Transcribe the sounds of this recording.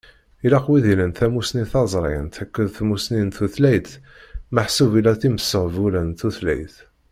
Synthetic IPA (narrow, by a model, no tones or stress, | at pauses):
ilaqwiðilənt̪æmusniθɑzˤɾˤḭnt̪ækːəðθmusnint̪uθlæjt̪ | məħsuvilæθiməsːəʁvulænt̪uθlæ̰jθ